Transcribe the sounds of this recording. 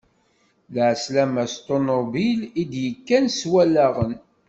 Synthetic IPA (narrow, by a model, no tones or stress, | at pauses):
lʕslæmæst̪onobilid̪jəkːænswælæʁən